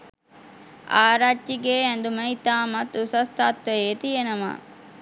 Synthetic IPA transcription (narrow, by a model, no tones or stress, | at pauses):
aːɾaːiɡeːɛnd̪uməɦit̪aːmɐt̪usɐst̪ʰaːt̪ʋɐjeːt̪ijenɐma̰